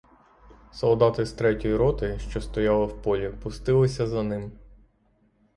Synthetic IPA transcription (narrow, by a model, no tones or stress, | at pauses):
sɔlˠd̪ɑt̪ɪst̪ɾɛtʲɔjiɾɔt̪ɪʃt͡ʃɔst̪ɔjɑlˠɪwpɔlʲipʊst̪ɪlˠɪsʲɐzɐnɪm